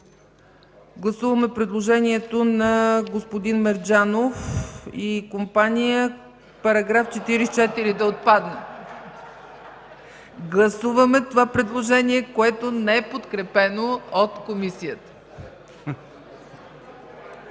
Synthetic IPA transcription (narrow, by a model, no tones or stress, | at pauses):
ɡlˠɐsuvəmɛpɾɛd̪lˠoʒɛniɛt̪onɐɡospod̪inmɛɾd͡ʒanofikompanijə | pɐɾɐɡɾaft͡ʃɛt̪iɾit͡ʃɛt̪iɾid̪ɐot̪̚pad̪nɛ | ɡlˠɐsuvəmɛt̪ovapɾɛd̪lˠoʒɛniɛkoɛt̪onɛɛpot̪kɾɛpɛnoot̪komisijət̪ə̥